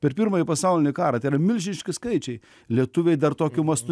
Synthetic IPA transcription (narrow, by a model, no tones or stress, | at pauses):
pʲɛɾpʲɪɾmɐːjipɐsɐʊlʲɪnʲɪkɑːɾɐt̪ɐɪrɐmʲɪlʲʒʲɪnʲɪʃʲkʲɪskɐɪt͡ʃʲɛɪ | lʲiɛt̪ʊʋʲeɪd̪ɐrt̪oːkʲʊmɐst̪ʊ